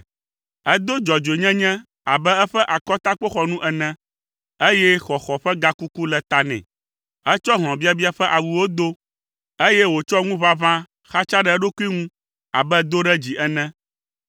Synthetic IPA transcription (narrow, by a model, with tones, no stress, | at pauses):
ɛ˦d̪o˦d͡ʒɔ˨d͡ʒe˨ɲɛ̃˦ɲɛ̃˦ | a˨bɛ˦ɛ˦ɸɛ˦ʔa˨kɔ˦t̪a˦k͡po˦xɔ˨nũ˦ʔɛ˨nɛ̃˦ | e˦jɛ˦xɔ˨xɔ˨ɸɛ˦ɡa˦ku˦ku˦lɛ˨t̪a˦nɛ̰̃˨ | ɛ˦t͡ʃɔ˦ɦl̃ɔ̃˨bi˦a˦bi˦a˨ɸɛ˦ʔa˨wu˨wo˦d̪o˦ | e˦jɛ˦wo˨t͡ʃɔ˦ŋũ˦βa˦βã˦ | xa˦t͡ʃa˦ɖɛ˨ɛ˦ɖo˦ku˦i˦ŋũ˦ | a̰˨bɛ˦d̪o˦ɖɛ˦d͡ʑi˨ʔɛ˦nɛ̃˦